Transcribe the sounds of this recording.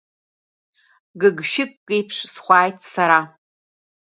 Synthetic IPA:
ɡɨɡʃɪkːʼejpʰʂsχʷɑːjtʰsaɾa

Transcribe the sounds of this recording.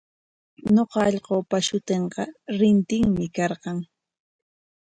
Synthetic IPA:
ɲoqɑːʎqoːpaʃʊt̪eɴqɑɾɪnt̪ɪŋmɪkɑɾqɑŋ

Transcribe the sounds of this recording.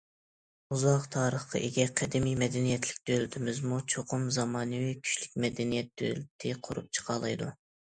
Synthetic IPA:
uzɑqt̪ʰɑːɾəχqʰɑ̰ʔeɡʲɛqʰæd̪ɪmijmɛd̪ɛnijɛt̪lɪ̥k̚ʲd̪̥ølt̪ʰɪmɪzmut͡ʃʰoqʰʊmzɑmɑːnɨwikʲʰy̥ʃlykʲmɛd̪ɛnijɛt̪̚d̪̥ø̰lt̪ʰɪqʰo̰ɾup̚t͡ʃʰə̥qʰɑːlˠɑ̰jd̪u

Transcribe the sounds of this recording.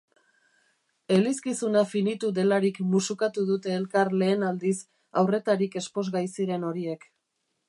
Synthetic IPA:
e̞liskisunafinit̪uðe̞laɾikmusukat̪uðut̪e̞ːlkarle̞ːnald̪is | awre̞t̪aɾike̞spo̞zɣajsiɾe̞no̞ɾie̞k

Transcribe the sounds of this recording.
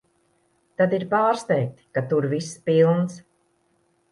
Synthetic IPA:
t̪ad̪iɾpaːɾst̪ɛjk̚t̪ʲi̥kat̪uɾvispilˠns

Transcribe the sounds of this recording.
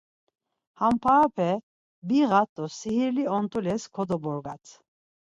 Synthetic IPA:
hampʰapʰɛ | biɣat̪ʼːɔsihiɾliɔnt̪ʼulɛskʰɔd̪ɔbɔɾɡat͡s̪ʰ

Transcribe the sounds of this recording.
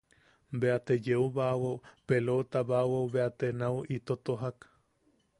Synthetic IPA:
mbeat̪ed͡ʒeuβawopelot̪aβawowβeat̪enauit̪ot̪oɦak

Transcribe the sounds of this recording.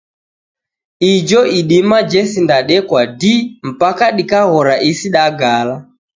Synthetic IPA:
id͡ʒɔʔiɗimad͡ʒɛsindaɗɛkwadim̩pakaɗikaɣɔɾaʔisiɗaɡala

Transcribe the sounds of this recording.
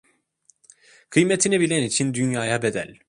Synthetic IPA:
kʰɯjmet̪ʰinibilʲɛnit͡ʃʰind̪ynjaːjabed̪ælʲ

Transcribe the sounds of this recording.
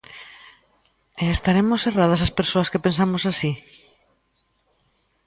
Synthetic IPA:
eest̪aɾemoserað̞ɐs̬aspeɾsoɐskepens̬amosasi

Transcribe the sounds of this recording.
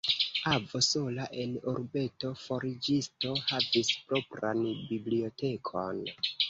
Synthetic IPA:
avoso̞laʔe̞noɾbe̞to̞fo̞ɾid͡ʒisto̞havispɾo̞pɾa̰nbiblio̞te̞kʰo̞n

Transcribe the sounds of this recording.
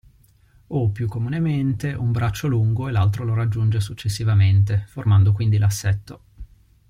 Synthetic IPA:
opːjukːomunement̪eʔumbɾat͡ʃːoluŋɡoelalt̪ɾoloɾad͡ʒːund͡ʒesut͡ʃːesːivament̪eformand̪okwind̪ilasːɛt̪ːo

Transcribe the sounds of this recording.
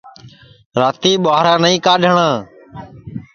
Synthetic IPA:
ɾaːt̪iːɓaːɦɾãːnəĩːkaːɖʱəɳãː

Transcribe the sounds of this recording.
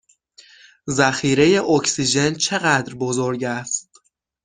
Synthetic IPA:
zæxiːɾe̞je̞ʔocsid͡ʒe̞nt͡ʃʰe̞ɣæd̪ɾbo̞zoɾɟæst̪

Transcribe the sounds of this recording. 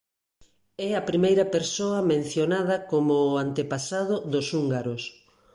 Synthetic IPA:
ɛɐpɾimejɾɐpeɾsoɐmẽn̟θjonað̞ɐkomʊːant̪epasaðʊðʊsuŋɡaɾʊs

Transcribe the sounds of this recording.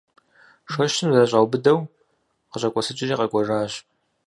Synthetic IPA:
ʂɐʃtʰɨmzɐɕʼawbɨdɐw | qəɕʼɐkʷʼɔsɨt͡ʃʼɪʒiːqɐkʷʼɔʐaːɕ

